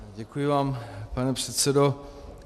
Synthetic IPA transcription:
ɟɛkujɪvaːmpanɛpr̝̥ɛt̪sɛdo

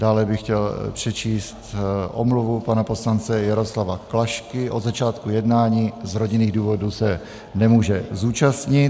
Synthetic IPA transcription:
daːlɛbɪxcɛlpr̝̥ɛt͡ʃiːst̪ʔo̰mluvupanapo̞slant͡sɛjaɾo̞slavaklaʃkɪʔo̞dzat͡ʃaːt̪kujɛdnaːɲiːzɾo̞ɟɪniːɣduːvo̞dusɛ | nɛmuːʒɛzuːt͡ʃast̪ɲɪt

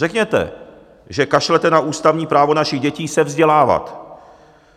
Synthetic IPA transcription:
rɛkɲɛt̪ɛ̰ | ʒɛkaʃlɛt̪ɛnaʔuːst̪avɲiːpɾaːvo̞naʃiɣɟɛciːsɛvzɟɛlaːva̰t̪

